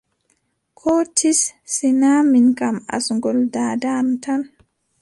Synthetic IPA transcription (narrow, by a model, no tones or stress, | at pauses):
kʰɔtʰisːinaminkama̰sŋɡɔldadamtʰan